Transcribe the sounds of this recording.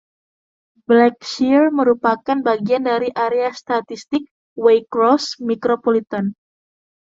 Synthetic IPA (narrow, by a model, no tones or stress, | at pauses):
blɛk̚ʃirməɾupakanbaɡiandaɾiʔaɾeast̪at̪ist̪ɪk̚ | wejkɾɔsmikɾopolit̪an